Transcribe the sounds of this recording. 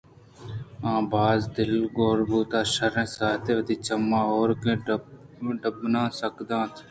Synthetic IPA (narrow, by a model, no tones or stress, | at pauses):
ãːbaːzd̪ɪlɡoːɾbuːt̪aːʃəɾẽːsaːt̪eːʋəd̪iːt͡ʃəmːãːoːɾkẽːɖ | ɖəbnãːsəkd̪ãːt̪ʰː